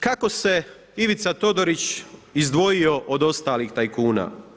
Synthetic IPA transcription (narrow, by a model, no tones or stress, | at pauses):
kako̞se̞ | iʋit̪sat̪o̞d̪oɾit͡ɕizd̪ʋo̞jio̞ʔod̪o̞st̪aːlixt̪ajkuːna̰ː